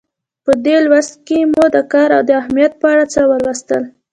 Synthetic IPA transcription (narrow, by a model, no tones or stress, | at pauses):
pəd̪elwast̪̚kemod̪əkɑɾawd̪əahmijat̪̚pəaɽat͡səwəlwast̪əl